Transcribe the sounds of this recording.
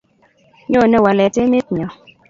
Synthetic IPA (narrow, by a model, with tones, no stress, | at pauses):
ɲo˦˨nɛ˦˨wa˨lɛ˨te˦me˦t̚ɲɔ˨